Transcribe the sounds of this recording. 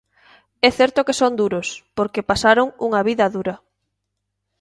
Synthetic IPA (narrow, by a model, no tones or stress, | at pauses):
ɛθɛɾt̪okesond̪uɾospoɾkepasaɾoŋṵŋɐβiðɐðuɾɐ